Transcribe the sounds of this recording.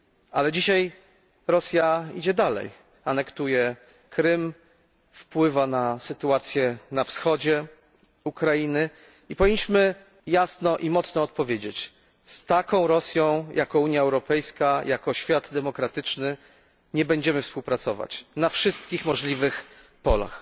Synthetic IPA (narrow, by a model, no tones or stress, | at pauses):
alɛd͡ʑiɕaj | ɾɔsʲjaid͡ʑɛd̪alɛ̰j | anɛkt̪ujɛ | kɾɘm | fpwɘvanasɘt̪uat̪sʲjɛnafsxɔd͡ʑɛ | ukɾajinɘ | ipɔvʲiɲːʲiɕmɘ | jasnɔʔimɔt̪snɔːt̪pɔvʲjed͡ʑet͡ɕ | st̪akɔ̃w̃ɾɔsʲjɔ̃w̃jʔakɔuɲjaɛwɾɔpɛjskajʔakɔɕfʲjad̪d̪ɛmɔkɾat̪ɘt͡ʂnɘ | ɲɛbɛɲd͡ʑɛmɘfspuwpɾat̪sɔva̰t͡ɕnafʂɘst̪kʲixmɔʐlʲivɘx | pɔla̰x